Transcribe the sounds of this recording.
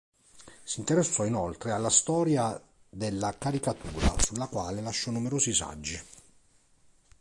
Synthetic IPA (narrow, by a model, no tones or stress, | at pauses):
sint̪eɾesːɔinolt̪ɾealːast̪ɔːɾja | d̪elːakaɾikat̪uːɾa̰sulːakwaːlelaʃːɔnumeɾoːzisa̰d͡ʒːi